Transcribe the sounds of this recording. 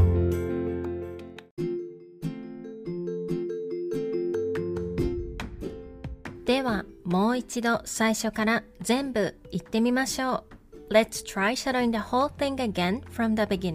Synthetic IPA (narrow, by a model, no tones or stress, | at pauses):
d̪̥e̞βamo̞ːit͡ɕid̪o̞saiɕo̞kaɾazẽ̞mbɯit̪ːe̞mʲimaɕo̞ːlɛtstʰɾajʃaɾoĩŋd̪əhoːlˠθɪ̃ŋəɡẽnfɾʌ̃mðəbiɡʲĩn